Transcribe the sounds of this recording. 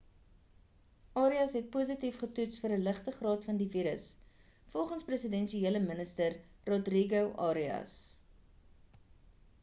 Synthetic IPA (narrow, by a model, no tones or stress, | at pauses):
ʔɑːɾiɐsɦɛt̚puːsitifχətutsfəriləχtəχrɑːtfɐndiviːɾəs | fɔlˠχənsprəsədɛnʃieːləmənəstərrodriɡowʔɑːɾiɐ̰s